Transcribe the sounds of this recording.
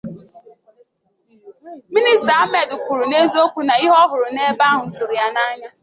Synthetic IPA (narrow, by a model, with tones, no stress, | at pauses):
mi˦ni˦sta˨a˦me˨dʊ˨kʷu˨ɾu˨ne˦zo˦kʷu˦na˨i˦ɦɔ˦ɦʊ˨ɾʊ˨ne˦ba˦ɦʊ˨n̩˦tʊ˨ɾi˨ja˦na˦ɲa˦